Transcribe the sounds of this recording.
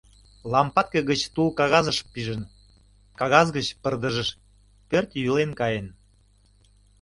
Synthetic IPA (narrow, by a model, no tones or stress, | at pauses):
lɑmpɑt̪̚keɣət͡ɕt̪ulkɑɣɑzəʃpiʒən | kɑɣɑzɣət͡ɕpərd̪əʒəʃ | pørt̪jylenkɑjen